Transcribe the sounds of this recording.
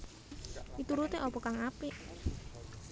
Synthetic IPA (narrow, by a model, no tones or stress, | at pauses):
it̪uɾut̪eʔɔpɔkaŋapiʔ